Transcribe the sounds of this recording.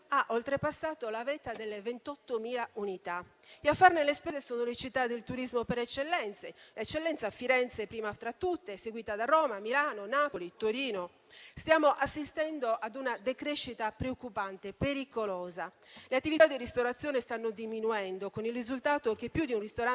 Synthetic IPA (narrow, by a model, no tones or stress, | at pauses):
aʔolt̪ɾepasːaːt̪olavɛt̪ad̪elːevent̪ɔt̪ːomiːlaunit̪a | eafːaɾnelespɛzesɔːnolet͡ʃit̪ːad̪elt̪uɾizmopɛɾɛt͡ʃːelːɛnt̪selɛt͡ʃːelːɛnt̪safiɾɛnt̪sepɾiːmat̪ɾat̪ːut̪ːeseɡwiːt̪ad̪arɔːmamilaːnonaːpolit̪oɾiːno | st̪jaːmoʔasːist̪ɛnd̪oʔad̪unad̪ekɾeʃːit̪apɾeokːupant̪epeɾikolɔːzaleat̪ːivit̪ad̪ːirist̪oɾat̪sːjɔːnest̪anːod̪iminuɛnd̪okonilrizult̪aːt̪okepːjud̪iunrist̪oɾa